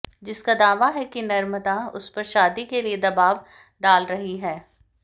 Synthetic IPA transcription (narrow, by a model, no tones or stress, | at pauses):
d͡ʒɪskad̪aːʋaɦɛkinɐɾməd̪aʊ̰spɐɾʃaːd̪ikelied̪ɐbaːʋ | ɖaːlɾɐɦiɦɛː